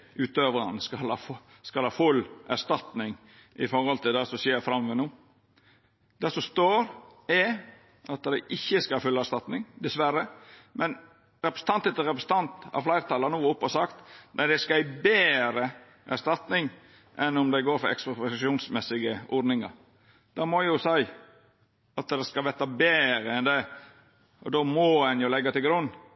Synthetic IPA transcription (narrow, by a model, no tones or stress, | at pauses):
ʉːt̪øːʋɾɑnskɑlhɑːf | skɑlhɑːfʉlːʔæʂt̪ɑt̪nɪŋ | ʔɪfɔɾɔlt̪ʰɪld̪ɛsɔsjeːɾfɾɑmʋɛnuː | d̪̥ɛsɔst̪oːɾɛ | ʔɑt̪d̪æɪʔɪçːəskɑɑfʉlːəɑæʂt̪ɑt̪nɪŋd̪ɛsʋæɾəmʔɛn | ɾɛpɾəsə̥n̩t̪ɑnt̪ɛt̪əɾɛpɾəsən̩t̪ɑnt̪ɑ̰flæɪɾt̪ɑːlɑnuːʊpːɔsɑkt̪næɪd̪ɛskæɪbeːɾə | ʔæst̪ɑt̪nɪŋ | ʔɛnʊmd̪ɛɪɡoːɾfɔɾɛ̰kspɾɔsʃuːnsmɛsɪɡəʔɔd̪nɪŋɑ̰ɾ | d̪̥ɑmɔjʊsæɪ | ɑt̪d̪ɛskɑʋɛt̪ːɑbeːɾəɛnd̪ɛ | ʔɔ̰d̪omɔɛnjʊlɛɡːɑt̪ɪlɡɾʉnː